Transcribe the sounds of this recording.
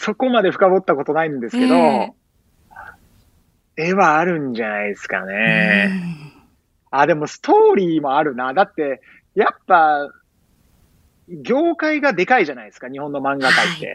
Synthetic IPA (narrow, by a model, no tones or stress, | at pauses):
so̞ko̞mad̪e̞ɸɯ̟̥kabo̞t̪ːako̞t̪o̞naĩnd̪e̞sɨ̥ke̞d̪o̞ | e̞βaːɾɯ̟̃ɲd͡ʑanaisɨ̥ka̰ne | ad̪e̞mo̞sɨ̥t̪o̞ːɾʲiːmo̞aɾɯ̟nad̪at̪ːe̞ | japːa | ɡʲo̞ːkaiɡad̪e̞kaiʑanaid̪sɨ̥kaɲ̟iho̞nːo̞mãŋɡak̪ait̪ːe̞̰